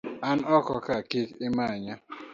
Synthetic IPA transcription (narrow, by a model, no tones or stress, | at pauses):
an̩ɔkɔkakikɪmaaɲa